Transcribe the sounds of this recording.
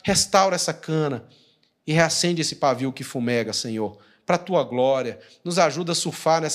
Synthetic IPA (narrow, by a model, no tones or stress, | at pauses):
hest̪awɾɐɛsɐkɐ̃nɐ | ɪɦeasẽnd͡ʒesɪpaviwkɪfumɛɡɐsẽɲoɾ | pɾɐt̪uɐɡlɔɾiɐ | nʊzaʒud̪ɐsuɾfaɾnɛs